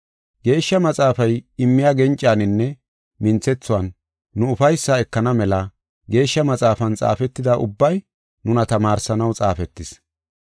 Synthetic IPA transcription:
ɡe̞ːʃːɐmɐt͡sʼaːfɐjɪmːɪjaːɡɛnt͡ʃʼɪaːnɪnːɛ | mɪnt͡sːɛt͡sːʊwɐnː | ʊʊfɐjsːɐɛkːɐnɐmɛlɐ | ɡe̞ːʃːɐmɐt͡sʼaːfɐnt͡sʼa̰ːfɛt̪ːɪd̪aʔʊbːɐj | nʊnɐt̪ɐmaːɾsɐnɐwt͡sʼaːfɛt̪ːɪs

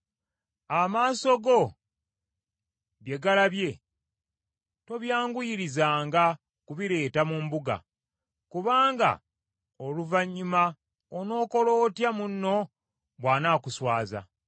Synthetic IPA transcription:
amaːso̞ɡo̞ | βjeɡalaβje̞ | to̞βjaːŋɡujiɾizaːŋɡa | kuβiɾe̞ːtamumbuɡa̰ | kuβaːŋɡa̰ | oluvaɲːuma | ono̞ːko̞lo̞ːtjamunːo̞ | βwaːnaːkuswaːza̰

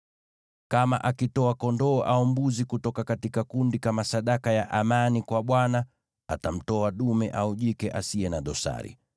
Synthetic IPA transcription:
kama̰ʔakitɔakɔndɔːʔaɔmbuzikutɔkakatikakundikamasaɗakajaʔamanikwaɓwana | atam̩tɔaɗumɛʔauʄikɛʔasiɛnaɗɔsa̰ɾḭ

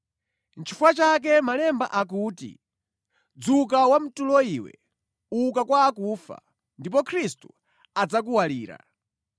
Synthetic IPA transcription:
nt͡ʃʰifuat͡ʃak̬ɛmalɛmba̰ʔakuːtḭ | d͡zuk̬awam̩tulɔiwɛ̰ | ukakwaːkuːfa̰ | ndipɔkʰɾistu̥ | ad͡zak̬uwaliːɾa̰

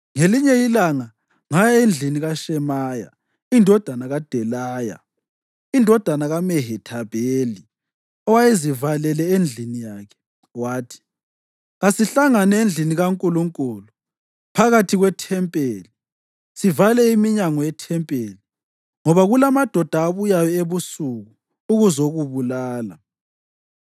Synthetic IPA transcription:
ŋeliɲɛjilaŋa | ŋajend͡ɮʱiniɣaʃɛmaːja̰ | indʱɔd̥ʱanaɣad̥ʱɛlaːja̰ | indʱɔd̥ʱanaɣamɛɦɛtʰabʱeli | ɔwajezivalɛlɛend͡ɮʱinijaːkʰɛ̥ | waːtʰi̥ | ɣasiɬaŋanɛend͡ɮʱiniɣaŋkʼuluŋkʼulu | pʰaɣatʰiɣwɛtʰɛmpʼeli | sivalɛimiɲaŋɔjɛtʰɛmpʼeːli | ŋɔβaɣulamad̥ʱɔd̥ʱaːβujajɔeβusuɣuː | ɣuzoɣuβulaːla

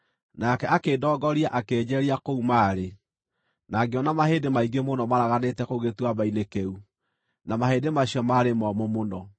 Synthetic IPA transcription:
nakɛakeːdɔːɡɔɾiaʔakeːɲɛɾiakoumaːɾe | naɡeɔnamaheːdemaiɡemonɔmaɾaɣanetɛkoɣetwaβainekeu | namaheːdemaɕjɔmaɾemɔmomonɔ

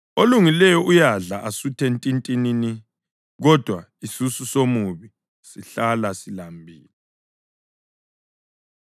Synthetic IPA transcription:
oluŋilɛjɔʔujaɮaʔasutʰentʼintʼinini | ɣɔd̥ʱwa | isususomuβi | siɬalasilambʱiːlɛ

